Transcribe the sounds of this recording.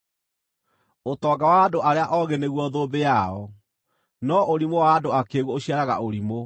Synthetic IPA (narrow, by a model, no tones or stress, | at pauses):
otɔːɡawaːdoʔaɾeaʔɔɣeneɣwɔðobejaɔ | nɔoɾimowaːdoakeːɣwɔoɕiaɾaɣa̰oɾimo